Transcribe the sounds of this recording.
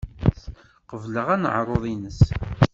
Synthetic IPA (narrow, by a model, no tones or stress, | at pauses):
qəvləʁænə̰ʕɾˤoðˤinəs